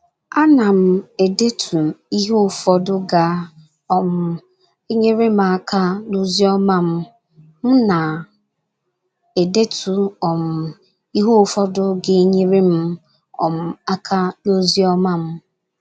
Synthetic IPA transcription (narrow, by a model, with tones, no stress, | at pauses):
a˦na˨m̩˨e˨de˦tʰu˨i˦ɦu˦˨fɔ˦dʊ˦ɡa˨ | ɔ˨m̩˨ | e˦ɲe˦ɾe˦m̩˦˨a˦kʰa˦no˦zi˦ɔ˦ma˦m̩˦ | m̩˦na˨ | e˨de˦tʰu˨ɔ˨m̩˨ | i˦ɦu˦˨fɔ˦dʊ˦ɡɪ˦e˦ɲe˦ɾe˦m̩˦ | ɔ̰˨m̩˨a˦kʰa˦no˦zi˦ɔ˦ma˦˨m̩˦